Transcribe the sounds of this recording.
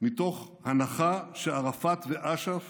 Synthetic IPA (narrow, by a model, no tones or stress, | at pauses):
mit̪o̞χ | hanaχaʃeaʁafat̪veʔaʃaf